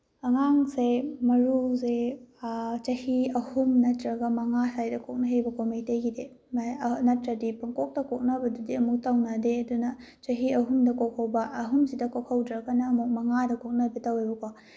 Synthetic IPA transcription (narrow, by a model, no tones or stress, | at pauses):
ɐŋaŋsemɐɾuze | t͡ʃɐhiɐhumnɐtɾɐɡɐmɐŋasajdɐkʰok̚nɐɦejbɐkʰomiteɡide | manɐtɾɐdipɐŋkok̚tɐkok̚nɐbɐdudiɐmuk̚tawnɐdeɐdunɐ | t͡ʃɐɦiɐɦumdɐkokʰawbɐʔɐɦumsidɐkokʰawdɾɐkɐnɐːmuk̚mɐŋadɐkok̚nɐbɐtawejbɐkʰo